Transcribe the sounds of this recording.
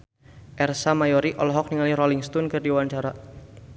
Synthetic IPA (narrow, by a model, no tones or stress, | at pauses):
ʔɛrsamajɔɾiʔɔlɔɦɔk̚niŋalirɔliŋst̪unkɨrdiwaɲt͡ʃaɾa